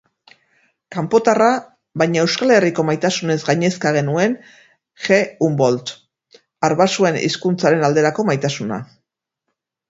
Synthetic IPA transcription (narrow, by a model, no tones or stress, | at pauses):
kampo̞t̪ara | βajɲae̞wskale̞riko̞majt̪asune̞zɡajɲe̞skaɣ̞e̞nue̞n | ʝe̞umbo̞lt̪ | aɾβasue̞nḭskunt͡saɾe̞nald̪e̞ɾako̞majt̪asuna̰